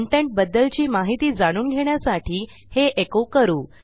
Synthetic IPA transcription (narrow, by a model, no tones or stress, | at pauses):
ɳʈeɳʈ̚bəd̪ːəlt͡ɕiːmaɦit̪iːd͡zaɽ̃uːnɡʱeɽjasaʈʰiː | heʔekokəɾuː